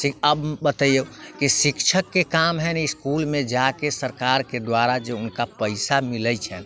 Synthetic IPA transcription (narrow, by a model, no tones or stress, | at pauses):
sikəbbət̪əjəkisikt͡ʃʰəkːekamɦɛniskulmẽd͡ʒakesəɾkaɾked̪waɾad͡ʒeunkapəɪsamilət͡ʃʰɛ